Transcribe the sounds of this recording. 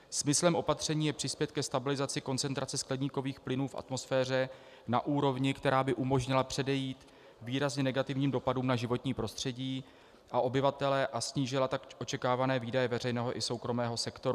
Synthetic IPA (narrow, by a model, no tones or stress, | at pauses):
smɪslɛmʔo̞pat̪r̝̥ɛɲiːjɛpr̥ɪspjɛt̪̚kɛst̪abɪlɪzat͡sɪko̞nt͡sɛnt̪ɾʔat͡sɛsklɛdɲiːko̞viːxplɪnuːfʔa̰t̪mo̞sfɛːr̝ɛ | na̰ʔuːɾo̞vɲɪkt̪ɛɾaːbɪʔumo̞ʒɲɪlapr̝̥ɛdɛjiːt̪ | viːɾazɲɛnɛɡat̪ɪvɲiːmdo̞paduːmnaʒɪvo̞t̪ɲiːpɾo̞st̪r̝̥ɛɟiː | ʔaʔo̞bɪvat̪ɛlɛːʔasɲiːʒɪlat̪akʔo̞t͡ʃɛkaːvanɛːviːdajɛvɛrɛjnɛːɦo̞ʔɪso̞wkɾo̞mɛːɦo̞sɛkt̪o̞ɾu